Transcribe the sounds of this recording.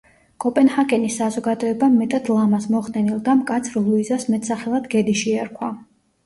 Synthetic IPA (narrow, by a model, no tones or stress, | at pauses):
kʼɔpʼɛnhakʼɛnisːazɔɡad̪ɔɛbamɛt̪ʼad̪lˠamasmɔχd̪ɛnilˠd̪amkʼat̪sʰɾlˠuizasmɛt̪ʼsaχɛlˠad̪ɡɛd̪iʃiaɾkʰwa